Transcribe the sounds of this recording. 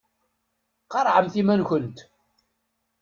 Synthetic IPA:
qɑɾˤʕəmθimænçənt̪

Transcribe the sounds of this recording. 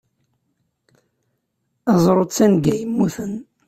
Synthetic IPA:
æzˤɾˤot͡sːænɡæjəmːuθən

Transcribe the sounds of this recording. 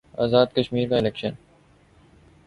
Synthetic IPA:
a̰ːzaːd̪̚kɐʃmiːɾkaɪleːkʃən

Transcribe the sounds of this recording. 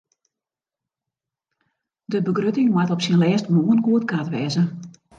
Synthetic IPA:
dəbəɡrøtɪŋmatɔpsinlɛːstmuənkuətkatʋɛːzə

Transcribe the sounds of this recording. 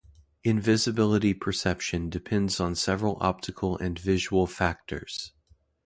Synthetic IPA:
ɨ̃ɱvɪzɨbɪlˠəɾipʰə˞sɛpʃɨ̃ndɨpʰɛ̃ndzn̩sɛvɹl̩ˠɑ̰p̚tʰɨkʰl̩ˠɨ̃nvɪʒəwl̩ˠfæk̚tʰə̰˞z̥

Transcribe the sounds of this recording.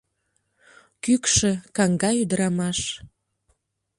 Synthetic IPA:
kykʃĕkɑŋɡɑyd̪əɾɑmɑʃ

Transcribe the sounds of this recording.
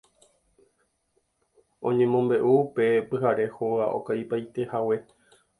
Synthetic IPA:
õ̞ɲẽ̞mõ̞mbe̞ʔuːpe̞pɨɦaɾe̞hoɣaʔo̞̰kajpajt̪e̞hawe̞

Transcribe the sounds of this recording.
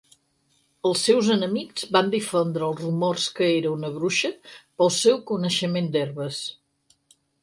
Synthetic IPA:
əlˠsːɛwzənəmikz̥βand̪ifond̪ɾəːlˠzrumorskəeɾəunəβɾuʃəpəlˠsɛwkunəʃəmend̪ɛrβəs

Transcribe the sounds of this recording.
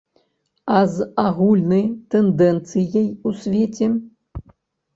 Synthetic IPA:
azaɣulʲnɐjt̪ɛnd̪ɛnt̪sɨjɐjusʲvʲet͡sʲɛ

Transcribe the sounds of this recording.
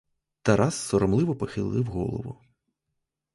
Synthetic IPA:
t̪ɐɾʔɑsːɔɾɔmlˠɪʋɔpɔxɪlˠːɪwɣɔ̰lˠɔ̰ʋʊ̰

